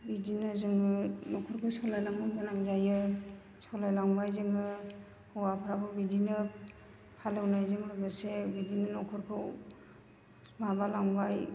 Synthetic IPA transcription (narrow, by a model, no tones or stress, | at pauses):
bidinɯzɯŋnɯnɔkʰɔɾkʰɯsɔlajlaŋɯbɯnaŋzajɯ | sɔlajlaŋbajzɯŋɯ | hɔwapʰɾabɯbidinɯ | pʰalɯwnajzɯŋɾɯɡɯsebidinɯnɔkʰɔɾkʰɯw | mabalaŋbaj